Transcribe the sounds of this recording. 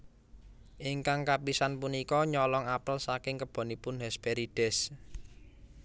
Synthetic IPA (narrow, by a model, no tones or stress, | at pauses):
ʔiŋkaŋkapisanpunikɔɲɔlɔŋapəlsakɪŋkəb̥ɔ̤nipʊnhɛspɛɾiɖ̥ɛs